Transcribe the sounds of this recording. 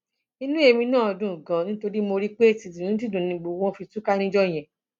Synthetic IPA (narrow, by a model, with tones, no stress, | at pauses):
i˧nũ˦e˧mĩ˧nãː˦˨ɔ˧dũ˨˦˨ɡã˧nĩ˦to˧ɾi˦mo˧ɾi˦k͡pe˦˨ti˨tĩ˨ɾĩ˦t̬i˦dũ˨nĩ˧ɡ͡bo˧˨wɔ̃˦fi˧tu˦ka˦ñĩ˦d͡ʒɔ˦˨j̃ɛ̃˨